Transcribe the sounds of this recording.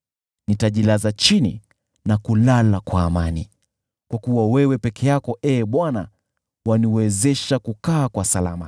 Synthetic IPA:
nitaʄilazat͡ʃinḭ | nakulalakwaːmani | kwakuwawɛwɛpɛkʰɛjakɔʔɛːɓwana | waniwɛzɛʃakukaːkwasalama

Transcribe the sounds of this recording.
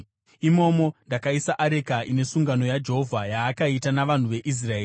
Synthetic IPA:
imo̞ːmo̞ndakaisaʔaɾe̞kaʔine̞suŋɡano̞jad͡ʒe̞ɦo̞vʱajaːkaitanaʋan̤uʋe̞ʔis̬raeːr

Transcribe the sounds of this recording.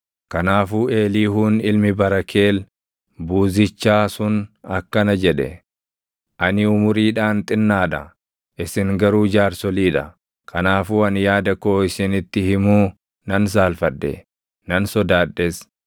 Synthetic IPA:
kɐnaːfuːe̞ːliːhuːnɪlmɪbɐɾɐkʰe̞ːl | buːzɪt͡ʃːaːsʊnɐkːɐnɐd͡ʒɛᶑɛ̰ | ʔɐnɪʊmʊɾiːᶑaːnt̪ʼɪnːaːᶑɐ̰ | ʔɪsɪŋɡɐɾuːd͡ʒaːɾsɔliːᶑɐ | kʰɐnaːfuːɐnjaːd̪ɐkoːɪsɪnɪt̪ːɪhɪmuː | nɐns̬aːlfɐᶑːɛ̰ | nɐnsɔd̪aːᶑːes

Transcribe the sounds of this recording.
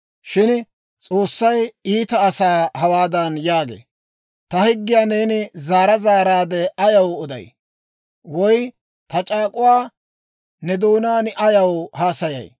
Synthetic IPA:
ʃɪn | t͡sʼoːsːɐjiːt̪ɐːsaːhɐwaːd̪ɐnjaːɡḛː | t̪ɐhɪɡːɪjaːne̞ːnɪzaːɾɐzaːɾaːd̪ɛɐjɐwɔd̪ɐ̰j | wɔj | t̪ɐt͡ʃʼaːkʼʊwaː | nɛd̪oːnaːnɪʔɐjɐwhaːsɐjɐ̰j

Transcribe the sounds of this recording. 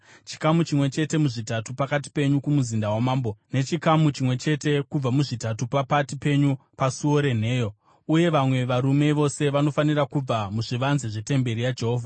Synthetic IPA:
t͡ʃi̥kamut͡ʃimwe̞t͡ʃe̞te̞muʐitatupakat̬i̥pe̞ɲukumuzindawamaːmbo̞ne̞t͡ʃikamut͡ʃimwe̞t͡ʃe̞te̞kub͡vamuʐitatupapatipe̞ɲupasuo̞ɾe̞n̤e̞ːjo̞ | uje̞ʋamwe̞ʋaɾume̞ʋo̞se̞ʋano̞fanirakub͡vamuʐiʋanzeʐe̞te̞mbe̞ɾijad͡ʒeɦoːvʱa

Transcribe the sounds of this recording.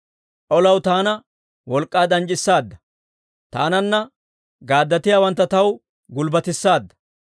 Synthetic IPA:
ʔɔlɐwt̪aːnɐ | wɔlkʼːaːd̪ɐnt͡ʃʼɪsːaːd̪ːɐ | t̪a̰ːnɐnːɐ | ɡaːd̪ːɐt̪ɪjaːwɐnt̪ːɐt̪ɐw | ɡʊlbɐt̪ɪsːaːd̪ːɐ̥

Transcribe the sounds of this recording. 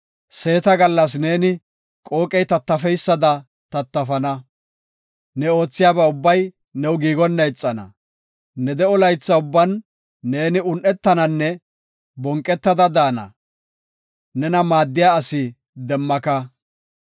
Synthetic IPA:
se̞ːt̪ɐɡɐlːɐs̬ne̞ːnɪ | kʼo̞ːkʼɛjt̪ɐt̪ːɐfɛjsːɐd̪ɐ | t̪ɐt̪ːɐfɐnɐ | nɛo̞ːt͡sːɪjaːbɐʊbːɐj | nɛwɡiːɡɔnːɐjt͡sʼːɐnɐ̰ | nɛd̪ɛɔlɐjt͡sːɐʊbːɐnː | e̞ːnɪʊnʔɛt̪ːɐnɐnːɛ | bɔŋkʼːɛt̪ːɐd̪ɐd̪aːnɐ̰ | nɛnɐmaːd̪ːɪjaːsɪ | d̪ɛmːɐkɐ

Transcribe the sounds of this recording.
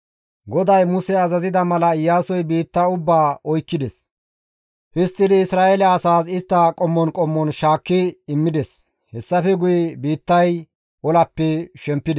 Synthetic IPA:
ɡɔd̪ɐjmʊsɛɐzɐzɪd̪ɐmɐlɐɪjːaːsɔjbiːt̪ːɐʊbːaːɔjkːɪd̪ɛs | hɪst̪ːɪd̪ɪɪsɾaːɛlɐɐsaːsɪst̪ːɐkʼɔmːɔnkʼɔmːɔnʃaːkːɪɪmːɪd̪ɛs | hɛsːɐfɛɡʊjɛbiːt̪ːɐj | ɔlɐpːɛʃɛmpːɪd̪ɛ

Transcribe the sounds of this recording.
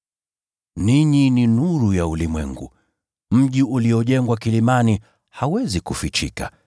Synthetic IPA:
niɲininuɾujaulimwɛ̰ŋɡṵ | m̩ʄiuliɔʄɛŋɡwakilimani | hawɛzikufit͡ʃḭka

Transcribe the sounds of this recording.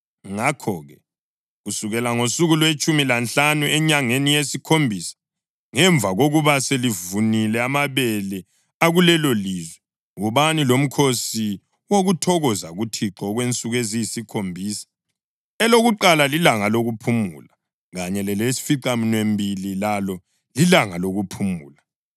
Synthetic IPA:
ŋakʰɔɣɛ | ɣusuɣɛlaŋosuɣulwet͡ʃʼumilant͡ɬanuɛɲaŋenijesikʰombʱiːsḁ | ŋɛɱvaɣoɣuβaselivunilɛamaβɛlɛ | aɣulɛlolizwɛ | uβanilom̩kʰosi | woɣutʰɔɣɔzaɣutʰiǁɔɣwent͡sʼuɣwezijisikʰombʱiːsḁ | ɛloɣuǃalalilaŋaloɣupʰumṵla | ɣaɲɛlɛlesi̥fiǃaminwembʱililalɔ | lilaŋaloɣupʰumṵːla

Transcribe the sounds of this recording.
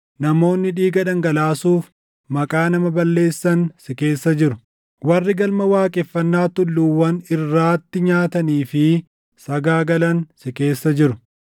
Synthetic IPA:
nɐmo̞ːnːɪᶑiːɡɐᶑɐŋɡɐlaːsuːf | mɐkʼaːnɐmɐbɐlːe̞ːsːɐnsɪke̞ːsːɐd͡ʒɪɾʊ | wɐrːɪɡɐlmɐwaːkʼɛfːɐnːaːt̪ʊlːuːwːɐnɪrːaːt̪ːɪɲaːt̪ɐniːfɪ | sɐɡaːɡɐlɐnsɪke̞ːsːɐd͡ʒɪɾʊ

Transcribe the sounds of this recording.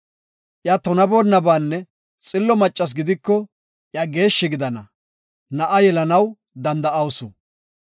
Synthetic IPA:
ʔjat̪ɔnɐboːnːɐbaːnːɛ | t͡sʼɪlːɔmɐt͡ʃʼːɐs̬ɡɪd̪ɪkːɔ | ʔjaɡe̞ːʃːɪɡɪd̪ɐnɐ | nɐʔɐjɛlɐnɐw | d̪ɐnd̪ɐʔɐwsʊ

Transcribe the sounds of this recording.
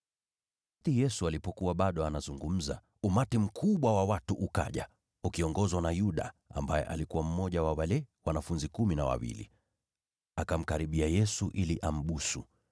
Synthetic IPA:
tijɛsualipɔkuwaɓaɗɔanazuŋɡum̩za̰ | umatim̩kʰuɓwawawatuʔuka̰ʄa | ukiɔŋɡɔzwanajuɗa̰a̰mbajɛ̰ʔa̰likuwam̩mɔʄawawalɛwanafunzikuminawa̰wḭlḭ | akam̩kaɾiɓiajɛsuʔiliʔam̩ɓusu

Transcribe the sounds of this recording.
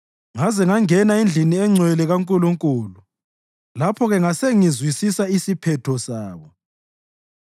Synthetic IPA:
ŋazɛŋaŋɛnaind͡ɮʱiniɛŋ͡ǀʱwɛlɛɣaŋkʼuluŋkʼulu | lapʰɔɣɛŋaseŋizwisisaisipʰɛtʰɔsaːβɔ

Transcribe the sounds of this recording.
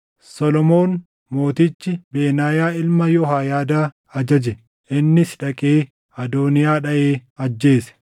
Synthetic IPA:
sɔlɔmo̞ːn | mo̞ːt̪ɪt͡ʃːɪbe̞ːnaːjaːɪlmɐjɔɦaːjaːd̪aː | ɐd͡ʒɐd͡ʒɛ | ʔɪnːɪsᶑɐkʼeː | ɐd̪oːnɪjaːᶑɐʔeːɐd͡ʒːe̞ːsɛ̥

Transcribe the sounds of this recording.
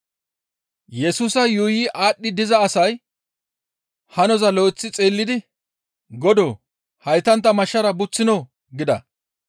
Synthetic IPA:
jɛsuːsɐjʊːjɪʔaːɗːɪd̪ɪzɐːsɐj | hɐnɔzɐloːt͡sːɪt͡sʼeːlːɪd̪ɪ | ɡɔd̪oː | hɐjt̪ɐnt̪ːɐmɐʃːɐɾɐbʊt͡sːɪno | ɡɪd̪ɐ̰

